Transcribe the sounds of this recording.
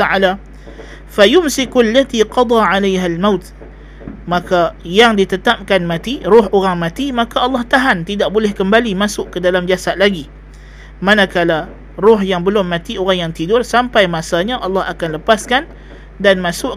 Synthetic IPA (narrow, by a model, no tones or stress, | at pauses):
aala | fajʊmsɪkualːat̪iqɑd̪ˤɑʕalajɦalmawt̪ | makajaŋdit̪ət̪ap̚kanmãt̪irʊɦoɣaŋmãt̪imakaɑlːɑht̪aɦant̪idaʔbolɛhkəmbalimasʊʔkədalamd͡ʒasat̪̚laɡi | manakala | rʊɦjaŋbəlʊmːãt̪ioɣaŋjaŋt̪idʊrsampajmasaɲaʔɑlːɑhakanləpaskan | danmasʊʔ